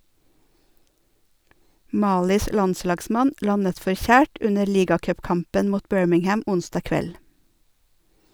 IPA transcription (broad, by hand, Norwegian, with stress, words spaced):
ˈmɑːlɪs ˈlɑnˌslɑːɡsmɑn ˈlɑnət fɔɾˈçæːʈ ˈʉnəɾ ˈliːɡɑkœpˌkɑmpən ˈmuːt ˈbœɹmɪŋˌhæm ˈʊnsdɑː ˈkʋɛl